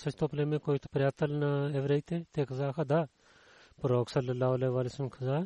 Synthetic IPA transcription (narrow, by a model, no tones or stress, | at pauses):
sɐt͡ʃt̪ʰoːplemẽkoːit̪ɐ̥pɾʲjaːt̪ɐlnɐeʋɾɐit̪ʰet̪ʰeːkʰɐzaːkʰad̪aː | pɐɾoːksɐlɐlːaːɐleːʋaːlesɐmkʰɐzaː